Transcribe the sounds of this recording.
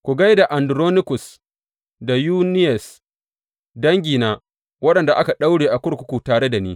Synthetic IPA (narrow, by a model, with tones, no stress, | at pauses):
kʷu˨ɡa˦jda˨ʔa˨ndʊ˨ɾoː˦nɪ˦kʊ˨s | da˨juː˦nɪ˦jɛ˨s | dɐ˦ŋɡʲiː˨naː˦ | wɐ˦ɗɐ˨nda˨ʔa˦ka˨ɗa˦wɽeː˨ʔa˨kʷʊ˦ɽkʷʊ˦kʷu˨taː˨ɽe˦da˨niː˦